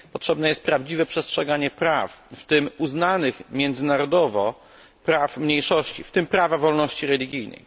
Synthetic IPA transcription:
pɔtʂɛbnɛjɛst̪̚pɾavd͡ʑivɛpʂɛstʂɛɡaɲɛpɾafft̪ɘmuznanɘxmʲjɛnd̪zɘnaɾɔd̪ɔvɔ | pɾafmɲejʂɔɕt͡ɕḭft̪ɘmpɾavavɔlnɔɕt͡ɕiɾɛlʲiɡʲijnɛ̰j

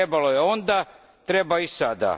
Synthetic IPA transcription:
ebalo̞je̞o̞nd̪a | t̪ɾe̞baisad̪a̰

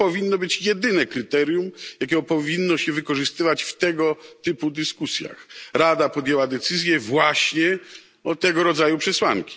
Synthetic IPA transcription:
pɔvʲinːɔbɘt͡ɕjɛd̪ɘnɛkɾɘt̪ɛɾjumjak̬ʲɛpɔvʲinːɔɕɛvɘkɔʐɨst̪ɘvat͡ɕft̪ɛɡɔt̪ɘpud̪ɘskusʲja̰xɾad̪apɔd̪jɛwad̪ɛt̪sɘzʲjɛvwaɕɲɛ | ɔt̪ɛɡɔɾɔd̪zajupʂɛswaŋkʲi̥

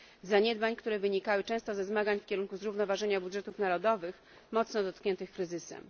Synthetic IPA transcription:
zaɲɛd̪baɲkt̪uɾɛvɘɲikawɘt͡ʂɛ̃st̪ɔzɛzmaɡaɲfkʲɛɾuŋkuzɾuvnɔvaʐɛɲabudʐɛt̪ufnaɾɔd̪ɔvɘx | mɔt̪snɔd̪ɔt̪̚kɲɛnt̪ɘxkɾɘzɘsɛ̰m

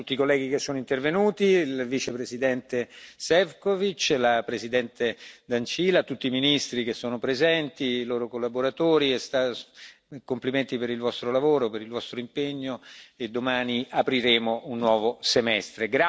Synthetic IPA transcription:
ut̪ːikolːɛːɡikesːoːnoint̪ervenuːt̪ilvit͡ʃepɾezid̪ɛnt̪esɛvkovit͡ʃlapɾezid̪ɛnt̪ed̪ant͡ʃiːlat̪ut̪ːiːminist̪ɾik̟esːoːnopɾezɛnt̪iloːɾokolːaboɾat̪oːɾiest̪a | kompliment̪ipeɾilvɔst̪ɾolavoːɾopeɾilvɔst̪ɾoimpeɲːoed̪ːomaːniapɾiɾeːmounːwɔːvosemɛst̪ɾeɡɾa

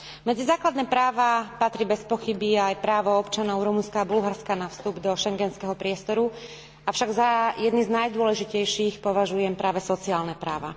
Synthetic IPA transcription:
mɛd͡zizaːklad̪nɛːpɾaːʋapat̪ɾiːbɛspɔxibiajpɾaːʋɔɔpt͡ʃanɔʊɾumunskaːbulɦaɾskanafst̪ubd̪ɔʃɛŋɡɛnskɛɦɔpɾɪɛst̪ɔɾu | afʃaɡzajɛd̪niznajd̪ʊɔlɛʒicɛjʃiːxpɔʋaʒujɛmpɾaːʋɛsɔt͡siaːlnɛpɾa̰ːʋa̰

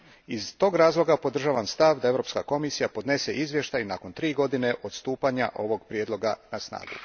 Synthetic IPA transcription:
izt̪o̞ːɡɾaːzlˠo̞ɡapo̞d̪r̩ʒaːʋanst̪aʋd̪ae̞ʋɾo̞pskako̞misijapo̞d̪ne̞seʔizʋje̞ʃt̪ajnako̞nt̪ɾiːɡo̞d̪ine̞ʔo̞d̪st̪uːpaɲa̰ʔo̞ʋo̞ɡpɾjed̪lˠo̞ɡanasna̰ːɡṵ

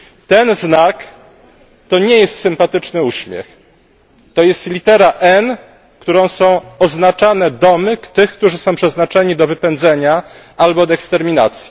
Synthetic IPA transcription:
t̪ɛnznak | t̪ɔɲɛjɛst̪sɘmpat̪ɘt͡ʂnɘuɕmʲjɛ̰x | t̪ɔjɛst̪lʲit̪ɛɾaʔɛn | kt̪uɾɔ̃w̃sɔ̃w̃ɔznat͡ʂanɛd̪ɔmɘkt̪ɘxk̚t̪uʐɘsɔ̃w̃pʂɛznat͡ʂɛɲid̪ɔvɘpɛnd̪zɛɲa | albɔd̪ɛkst̪ɛɾmʲina̰t̪sʲji̥

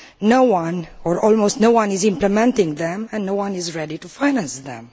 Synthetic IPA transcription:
nowãnɔɹɔlmostnowãnizɪ̃mpləmɛ̃ntɪ̃ŋðɛ̃mɛ̃nːowãnizɹɛditufaɪjnæ̃nsðɛ̰̃m

